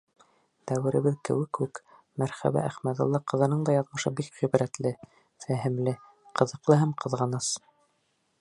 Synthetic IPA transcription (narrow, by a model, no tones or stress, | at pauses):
d̪æwɘ̆ɾɘ̆βɘðkɘ̰̆wɘkʉk | mæɾχæ̰βæ̰ʔæχmæt̪ɑ̰̆lˠːɑqɤ̆ðɤ̆nɤɴd̪ɑjɑðmɤ̆ʃɤbikʁibɾæt̪lɘ | fæɦɘ̆mlɘ | qʰɤ̆ðɤ̆qlˠɤɦæmqʰɤ̆ðʁɑnɤs